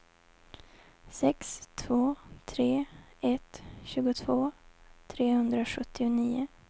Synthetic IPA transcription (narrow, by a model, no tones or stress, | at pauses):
sɛkst̪ʰvoːt̪ʰɾeːɛt̪ɕʉ̟ːɡʊt̪ʰvoːt̪ʰɾeːhɵnd̪ɾaɧɵt̪ʰːɪʊniːʊ